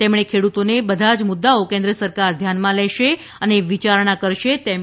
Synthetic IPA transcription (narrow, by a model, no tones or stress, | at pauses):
t̪emɳ̃ekʰeɽut̪onebəd̪ʱad͡ʒmʊd̪ːaokẽnd̪ɾəsəɾkaɾd̪ʱjanmãlɛʃe | əneʋit͡ʃaɾɳakəɾʃet̪e